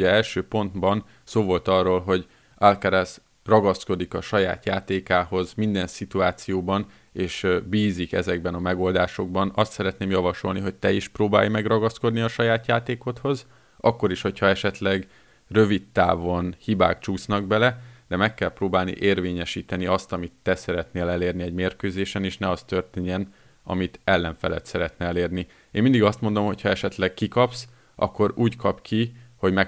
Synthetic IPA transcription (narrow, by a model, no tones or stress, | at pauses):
ɛɛlʃøːpo̞nd̪bɒn | soːvo̞lt̪ɒrːoːlɦo̞ɟ | alkaɾas | rɒɡɒsko̞d̪ikɒʃɒja̰ːt̪jaːt̪eːkaːɦo̞zmind̪ɛnsit̪uaːt̪sijoːbɒn | eːʃbiːzikɛzɛɡbɛnɒmɛɡo̞ld̪aːʃo̞ɡ̚bɒnɒst̪sɛɾɛt̪neːmjɒvɒʃo̞̰lniɦo̞c̚t̪ɛiʃproːba̰ːjmɛɡrɒɡɒsko̞d̪niɒʃɒjaːt̪jaːt̪eːko̞t̪ho̞z | ɒkːo̞ɾiʃho̞chɒɛʃɛt̪lɛɡ | rø̞vit̪ːa̰ːvonhiba̰ːkt͡ʃuːsnɒɡ̚bɛlɛd̪̥ɛmɛkːɛlproːbaːlnḭʔeːrveːɲɛʃiːt̪ɛniɒst̪ɒmit̪ːɛsɛɾɛt̪neːlɛleːrniɛɟmeːrkøːzeːʃɛneːʃnɛɒst̪ø̞rt̪eːɲɛn | ɒ̰mit̪ɛlːɛɱfɛlɛ̰t̪sɛɾɛt̪nɛɛleːrni | eːnmind̪iɡɒst̪mo̞nd̪o̞mho̞chɒɛʃɛt̪lɛkkːikɒps | ʔɒ̰kːo̞ɾuːckɒpkʰiho̞ɟmɛ